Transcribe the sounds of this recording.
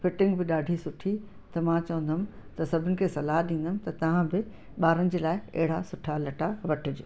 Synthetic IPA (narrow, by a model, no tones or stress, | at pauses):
fɪʈɪ̃ŋɡbɪɗaːɖʱisʊʈʰi | t̪ɐmãt͡ɕɐʋə̃nd̪əmɪ̆t̪ɐsɐbʱɪnɪ̆kʰeːsɐlaːɦɗĩːn̆d̪əmɪ̆t̪ɐt̪ɐʋ̤ãbɪ | ɓaːɾənɪ̆d͡ʑeːlaːɪɐ̰ɦɪɽ̤asʊʈʰalɐʈaʋɐʈʰɪd͡ʑoː